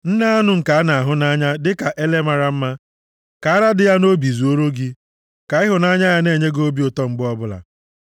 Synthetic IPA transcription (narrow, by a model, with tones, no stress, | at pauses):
n̩˦na˦a˦nʊ˦ŋ̩˨ka˨a˦na˨a˨ɦʊ˦na˦ɲa˦dɪ˦ka˨ʔe˦le˦ma˨ɾa˦m̩˦ma˦ | ka˨a˦ɾa˦dɪ˨ja˦no˦bi˨zu˨o˦ɾo˦ɡi˦ | ka˨ɪ˦ɦʊ˨na˦ɲa˦ja˦ne˦˨ɲe˦ɡo˦bi˦ʊ˨tɔ˦ŋ͡m̩˦ɡ͡bɔ˦bʊ˦la̰˨